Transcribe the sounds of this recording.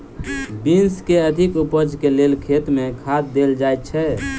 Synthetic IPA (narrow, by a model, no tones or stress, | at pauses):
binskeəd̪ʱikupəd͡ʒkelelkʰet̪mẽkʰat̪̚d̪eld͡ʒajt̪̚t͡ʃʰɛ